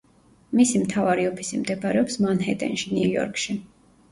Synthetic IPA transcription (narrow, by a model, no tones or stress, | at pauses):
misimt̪ʰavaɾiɔpʰisimd̪ɛbaɾɛɔpsmanɦɛ̰t̪ʼɛ̰nʃinujɔ̰ɾkʰʃi